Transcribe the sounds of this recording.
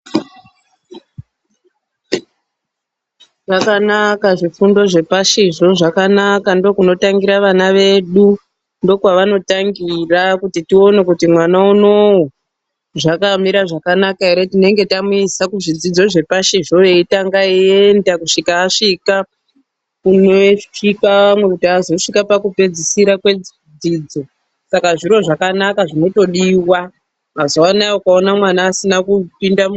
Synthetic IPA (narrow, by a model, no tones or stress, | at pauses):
ʐ̥akanakaʐifundo̞ʐe̞paʃiʐo̞ʐakanakando̞kuno̞taŋɡiɾaʋanaʋe̞ɗu | ndo̞kwaʋano̞taŋɡirakutitio̞ne̞kutimwanauno̞ | ʐakamiɾaʐakanakaeɾe̞tine̞ŋɡe̞tamuisakuʐid͡zid͡zo̞ʐe̞paʃeʐo̞eitaŋɡaie̞ndakuʂikaːʂika | kunoikaʋamwe̞kutiazo̞ʂikapakupe̞d͡zisiɾakwe̞ | d͡zid͡zo̞ | sakaʐiɾo̞ʐakanakaʐino̞to̞ɗiwa | mazoanaaokaonamwanaːsinakupinda